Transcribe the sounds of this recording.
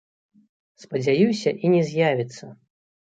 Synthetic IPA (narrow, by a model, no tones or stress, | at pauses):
spɐd͡zʲajusʲɐʔinʲɛzʲjavʲit̪sːɐ